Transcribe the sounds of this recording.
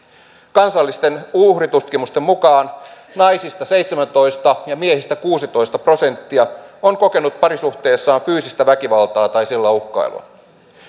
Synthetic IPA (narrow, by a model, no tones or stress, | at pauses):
kɑnsɑlːist̪e̞nuhrit̪ut̪kimust̪emmukɑːn | nɑjsist̪ɑse̞jt̪semænt̪o̞jst̪ɑjɑmiehist̪ækuːsit̪o̞jst̪ɑpro̞se̞nt̪ːiɑoŋko̞ke̞nut̪̚pɑɾisuht̪e̞ːsːɑːɱfyːsist̪æʋækiʋɑlt̪ɑːt̪ɑjsilːɑuhkɑ̰ilṵɑ̰